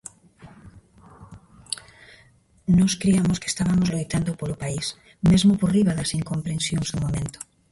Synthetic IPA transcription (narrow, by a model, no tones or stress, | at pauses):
noskɾiamoske̥st̪aβamozlojt̪and̪opolopais | mezmoporiβaðasiŋkompɾẽnsjoŋzðumomẽnt̪o̥